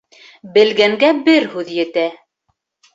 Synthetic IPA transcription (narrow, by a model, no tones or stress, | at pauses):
bɘ̆lɡæŋɡæbɘɾhʉðjɘ̆t̪æ